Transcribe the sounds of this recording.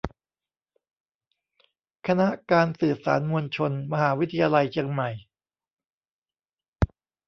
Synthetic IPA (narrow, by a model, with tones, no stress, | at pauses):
kʰa˧na˦˥ʔkaː˧nsɯː˨˩sa̰ː˩˦nmu˧ənt͡ɕʰo˧nma˧ɦaː˩˦wi˦t̪ʰa˧jaː˧la˧jt͡ɕʰi˧əŋma˨˩j